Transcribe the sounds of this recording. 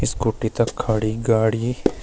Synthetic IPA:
ɪskoːʈit̪ɐkʰːaːɽiɡaːɽi

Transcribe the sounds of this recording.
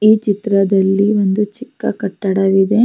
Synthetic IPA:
iːt͡ʃit̪ɾɐd̪ɐlːiond̪ut͡ʃikːɐ̰kɐʈːɐɽɐʋid̪e̞

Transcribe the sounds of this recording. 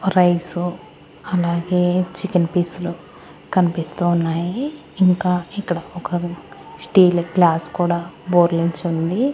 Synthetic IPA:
ɾɐjsu | ɐlaːɡe̞ːt͡ʃikɐnpiːslu | kɐnipist̪uːnːaːjiː | ŋkaːikːɐɽɐɔkɐ | sʈiːlɡlaːskuːɽaːboːɾliɲt͡ʃund̪i

